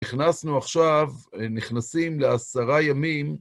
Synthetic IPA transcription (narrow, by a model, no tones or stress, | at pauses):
iχnasnuaχʃav | niχnasimleasaʁajamim